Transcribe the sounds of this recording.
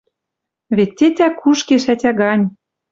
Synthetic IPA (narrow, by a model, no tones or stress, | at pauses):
βet̪ʲːet̪ʲækʰuʃkeʃæt̪ʲæɣɑnʲ